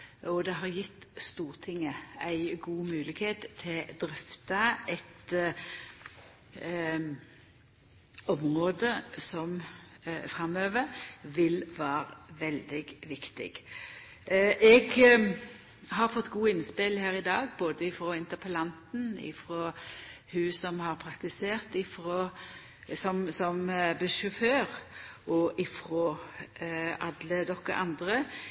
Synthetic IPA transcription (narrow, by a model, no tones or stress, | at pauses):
ɔd̪ɛɦɑʁjɪt̪ːst̪uːʁt̪ʰɪŋːəæɪɡuːmʉːlɪɡheːt̪ʰːɪld̪ɾɛft̪ɑɛt̪ | ɔmʁoːd̪əsɔm | fɾɑmøːʋəɾʋɪlʋæːʁʋɛld̪ɪɡʋɪkt̪ɪ̰ɡ | ʔɛɡ | hɑʁfɔt̪ːɡuːɪnspɪlhæːʁɪd̪ɑːɡboːd̪əɪfɾoːɪnt̪əʁpʰəlɑnt̪n̩ɪ̰fʁoːhʉsɔmhɑʁpʰʁɑkt̪ɪseːʁt̪ɪfʁoː | sɔmsɔmbəʃʉføːʁʔɔʔɪfɾoː | ʔɑd̪ləd̪ɔkːə̰ʔɑnd̪ʁə